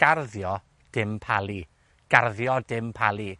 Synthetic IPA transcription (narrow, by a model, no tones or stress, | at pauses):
ɡ̥arðjɔ | d̥ɪmpʰalˠi | ɡ̥arðjɔdɪmpʰalˠi